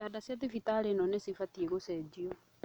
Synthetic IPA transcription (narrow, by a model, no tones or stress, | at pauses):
adasjat̪ifit̪alenɔnesifatiekosɛd͡ʒiɔ